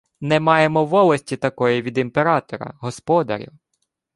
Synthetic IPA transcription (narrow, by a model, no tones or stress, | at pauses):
nɛmɑjemɔʋɔlˠɐsʲtʲit̪ɐkɔjiʋʲid̪impeɾɑt̪ɔɾɐ̰ɦɔspɔd̪ɐ̰ɾʲḭw